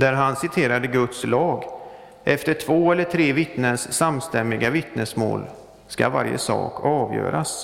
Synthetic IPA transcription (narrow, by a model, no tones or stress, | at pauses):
d̪æɾɦansɪt̪ʰeːɾad̪əɡɵt̪slɑːɡ | ʔɛft̪əʈʰvoːɛlːəʈʰɾeːvɪt̪nənsːamst̪ɛmːɪɡavɪt̪nəsmo̰ːl | ska̰va̰ɾjə̰sɑ̰ːkʰɑːvjœ̰ːɾas